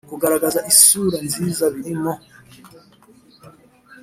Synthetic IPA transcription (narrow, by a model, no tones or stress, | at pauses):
kuɡaɾaɡazaʔisuɾanzizaβiɾimɔ